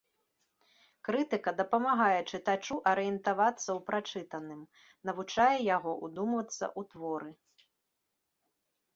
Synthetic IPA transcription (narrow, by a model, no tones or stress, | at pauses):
kɾɨt̪ɨkɐd̪ɐpɐmaɣajɛt͡ʂɨt̪at͡ʂuʔɐɾɨjɛnt̪avat̪sːɐwpɾat͡ʂɨt̪ɐnɨm | nɐvut͡ʂajɛjaɣɔʔud̪umvɐt̪sːɐ̰ʔut̪vɔɾɨ